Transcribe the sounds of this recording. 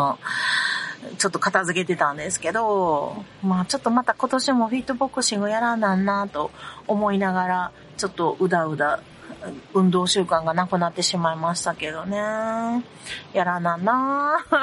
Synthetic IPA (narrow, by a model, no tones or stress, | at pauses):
o | t͡ɕo̞t̪ːokat̪azɨke̞t̪e̞t̪ãnd̪e̞sɨ̥ke̞d̪o̞ | maːt͡ɕo̞t̪ːo̞mat̪ako̞t̪o̞ɕimo̞ɸit̪ːobo̞kːɯ̟ɕĩŋɡojaɾanãnːat̪oomo̞inaɡaɾa | t͡ɕo̞t̪ːo̞ʔɯ̟d̪aɯ̟d̪a | ɯ̟̃nd̪o̞ːɕɨːkãŋɡanakɯ̟nat̪ːe̞ɕimaimaɕi̥t̪ake̞d̪o̞ne̞ | jaɾanãnːa